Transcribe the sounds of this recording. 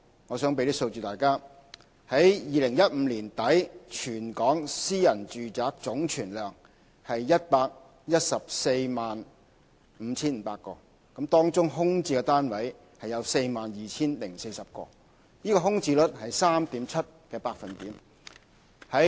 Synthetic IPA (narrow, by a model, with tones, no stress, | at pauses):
ŋɔː˨˧sœː˨˥ŋpe˨˧li˥so˧wt͡ʃyː˨t̪aː˨˩jkaː˥ | hɐ˨˥jjiː˨˧lɪ˨˩ŋjɐ˥t̚m̩ː˨˧liː˨˩nt̪ɐ˨˥jt͡ʃʰyː˨˩nkɔː˨˥ŋsiː˥jɐ˨˩nt͡ʃyː˨˩t͡saː˨˥k̚t͡sʊ˨˥ŋt͡ʃʰyː˨˩nlœː˨˩ŋ | hɐ˨jjɐ˥t̚paː˧k̚ | jɐ˥t̚sɐ˨p̚se˧jmaː˨n | m̩ː˨˧t͡sʰiː˥nm̩ː˨˧pa̰ː˧t̚kːɔː˧ | kɐ˨˥mt̪ɔː˥ŋt͡sʊ˥ŋɦʊ˥ŋt͡siː˧kɛ˧t̪aː˥nwɐ˨˥j | hɐ˨jɐ˨˧wse˧jmaː˨njiː˨t͡sʰiː˥nlɪ˨˩ŋse˧jsɐ˨p̚kɔ̰ː˧ | niː˥kɔː˧ɦʊ˥ŋt͡siː˧lɵ˥t̚hɐ˨jsaː˥mt̪iː˨˥mt͡sʰɐ˥t̚kɛː˧paː˧k̚fɐ˨nt̪iː˨˥m | hɐ˨˥